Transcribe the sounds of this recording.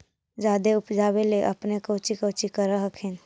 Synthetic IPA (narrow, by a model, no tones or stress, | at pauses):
d͡ʒaːd̪eʊpd͡ʒaːweleʔɐpnekoːt͡ʃikoːt͡ʃikəɾəɦəkʰeːn